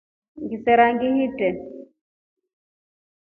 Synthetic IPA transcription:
ŋɡisɛɾaŋɡiɦitɛ

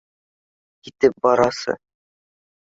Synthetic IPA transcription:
kit̪ɘp̚bɒɾɑsɤ̰

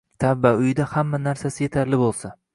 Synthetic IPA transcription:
t̪ʰabvaʊjɪd̪ahamːanaɾsasɪje̞t̪ʰaɾlɪbolˠsa

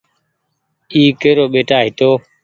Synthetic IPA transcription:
iːkeːɾoːɓeːʈaːɦɪt̪oː

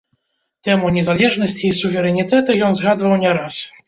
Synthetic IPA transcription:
t̪ɛmuɲʲɛzalʲɛʐnɔɕʲt͡ɕiːsuvʲɛɾɛnʲit̪ɛt̪ɨjɔnzɣad̪vawɲʲɛɾas

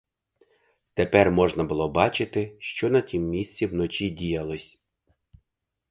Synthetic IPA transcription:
t̪epɛrmɔʒnɐbʊlˠɔbɑt͡ʃɪt̪ɪʃt͡ʃɔnɐtʲimːʲisʲt͡sʲiwnɔt͡ʃidʲijɐlˠɔsʲ

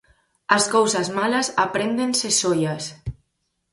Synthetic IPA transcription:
askowzazmalazapɾend̪ensesojas

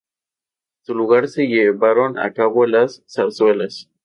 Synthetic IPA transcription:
suluɣaɾse̞ʝeβaɾo̞na̰kaβoelasːaswelas

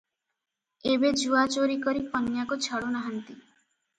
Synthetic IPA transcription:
ebed͡ʒuat͡ʃoɾikɔɾipɔnjakot͡ʃʰɔɽonaɦant̪i

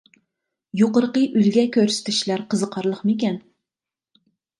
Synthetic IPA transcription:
joqəɾqəʔylɡʲɛkʲøɾsɪ̥t̪ʰɪʃlæɾqʰəzəqʰɑɾlˠəχmɪkʲɛn

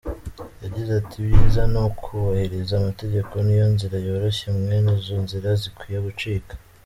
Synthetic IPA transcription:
jaɟizatʰibjiːzanokʰuβahe̞ɾezaːmate̞ɟe̞ko̞nijo̞nziɾajo̞ːɾo̞çe̞mŋe̞nizoːnziɾazikwiːjeɡut͡ʃiːkḁ

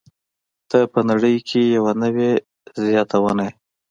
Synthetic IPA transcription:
t̪əpənaɽəjkʰejawanəwe | zjɑt̪awənaj

